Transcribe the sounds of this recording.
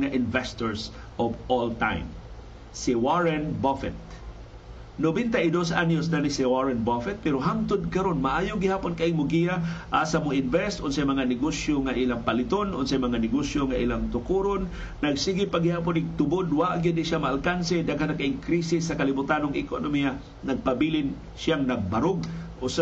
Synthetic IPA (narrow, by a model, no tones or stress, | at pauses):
ŋaʔɪnvɛst̪oɹs | ʔovolt̪a̰jm | sɪwaɹɛnbofɛt̪̚ | nobɛnt̪aʔid̪osʔanosnanisɪwaɹɛnbofɛt̪̚pɛɾoɦamt̪ʊd̪̚kɐɾonmaʔaːjʊɡɪhaːponkaʔɪŋmʊɡijaʔasamʊɪnvɛst̪ʔʊnsɐjmɐŋanɪɡosjoŋaʔilaŋpalɪt̪onʊnsɐjmɐŋanɪɡosjoŋaʔilaŋt̪ʊkuɾonː | ɐɡsiɡɪpaɡɪhaːponɪɡ̚t̪ʊbod̪waʔɡɪd̪ɪʃjamaːlkansɛd̪aɡhanakaʔɪŋkɾisɪsːɐkalɪbʊt̪anoŋɪ̰konomija | nɐɡ̚pabilɪn | sjaŋnɐɡ̚baɾʊɡ̚ʔs